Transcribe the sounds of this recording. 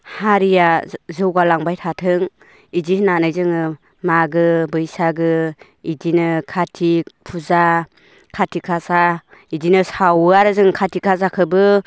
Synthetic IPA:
haɾijazɯwɡalaŋbajtʰatʰɯŋ | idihnanajzɯŋɯ | maɡɯbɯjsaɡɯ | idinɯkʰatʰipʰuza | kʰatʰikʰasa | idinɯsawɯaɾɯzɯŋkʰatʰikʰas̬akʰɯbɯ

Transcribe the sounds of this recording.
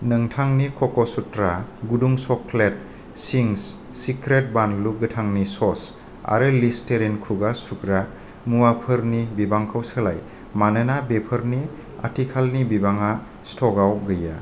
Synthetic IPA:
nɯŋtʰaŋnikʰɔkɔsutɾaɡuduŋsɔklet̚ | siŋs | sikɾet̚banluɡɯtʰaŋnisɔs | a̰ɾɯlisteɾenkʰɾuɡasukɾa | muwapʰɯɾnibibaŋkʰəwsəlaj | manɯnabepʰəɾni | a̰tikʰalnibibaŋa | stʰɔɡawɡɯja̰

